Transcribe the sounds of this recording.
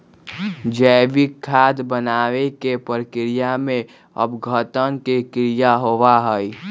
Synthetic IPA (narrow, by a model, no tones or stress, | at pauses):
d͡ʒəɪʋikʰːaːd̪bənaːʋekepəɾkɾijamẽ | ə̰bɡʱət̪ənkekɾijaɦoʋaɦəi